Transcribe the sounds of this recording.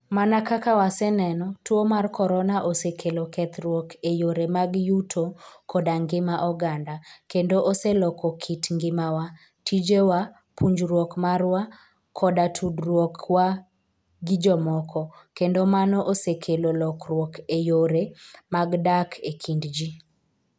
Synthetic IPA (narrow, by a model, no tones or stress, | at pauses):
manakakawasɛnɛnɔtwomarkɔɾɔnaʔosekʰelokʰɛt̪ɾwɔkejoɾemaɡjutʰokʰɔdaŋɡɪmaʔɔɡandakendoʔoselɔkʰɔkʰitŋɡɪmawa | tʰid͡ʒewa | pʰuɲd͡ʒrwɔkmarwa | kʰɔdatʰudɾwɔkwa | ɡɪd͡ʒɔmɔkʰɔkendomanɔʔosekʰelolɔkrwɔkʰejoɾemaɡdakʰekʰindd͡ʒi